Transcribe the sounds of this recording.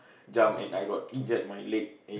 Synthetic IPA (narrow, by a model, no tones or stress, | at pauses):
d͡ʒãmɛ̰̃najɡɔt̚ĩnd͡ʒɛt̚majlet̚ɛ̃